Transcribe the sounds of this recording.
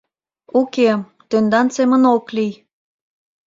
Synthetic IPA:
uke | t̪ønd̪ɑnsemə̆noklij

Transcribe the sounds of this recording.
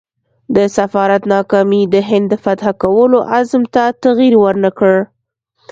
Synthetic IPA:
d̪əsafɑɾat̪nɑkɑmid̪əɦɪnd̪ːəfat̪hakawəloʔazmt̪at̪aɣiɾwəɾnakəɽ

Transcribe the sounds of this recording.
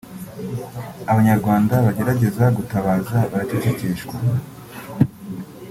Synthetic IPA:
aβaɲaɾɡwaːndaβaɟe̞ɾaɟe̞zaɡutaβaːzaβaɾaticiciːʃɡwa

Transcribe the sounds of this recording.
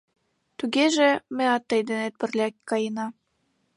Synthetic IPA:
t̪uɣeʒĕmĕɑt̪ːə̆jd̪enet̪̚pə̆rlʲɑkkːɑjənɑ

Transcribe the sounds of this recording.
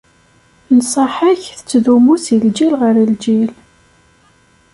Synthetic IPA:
nsˤəħəçθə̥t͡sːðumusəld͡ʒilʁəɾəld͡ʒil

